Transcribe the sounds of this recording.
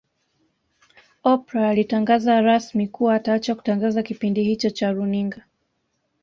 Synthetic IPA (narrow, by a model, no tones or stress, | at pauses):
ɔpɾaːlitaŋɡazaɾasmikuaːtaːt͡ʃaku̥taŋɡazakipindihit͡ʃɔt͡ʃaɾuniŋɡa